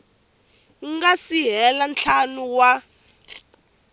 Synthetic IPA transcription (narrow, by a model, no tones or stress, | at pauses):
ɡasiɦɛlant͡ɬʰanuwa